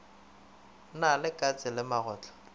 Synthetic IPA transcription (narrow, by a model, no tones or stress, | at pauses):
nalɪkʼat͡sʼɪlɪmaɣɔːt͡ɬʰʼɔ̥